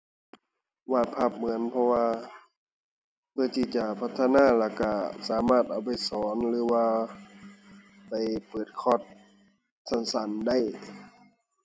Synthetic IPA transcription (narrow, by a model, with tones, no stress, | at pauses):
waː˧˩t̪̚pʰa˧˩p̚mɯ˩˦ənpʰɔ˧waː˧ | pʰɯ˧ɐ˨t̪ʰiː˧˩t͡ɕa˧˩pʰa˧t̪ʰːa˧naː˧˥˩laː˧˩ka˧˩saː˨˦maː˧˥˩t̪̚ʔa˨˧˩wpa˨jsɔː˩˦nlɯː˨˦waː˧ | pa˨˩jpɤː˨˩t̪̚kʰɔː˧˩t̪̚ | sa˧˥˦nsa˨˦nda˥˩˨j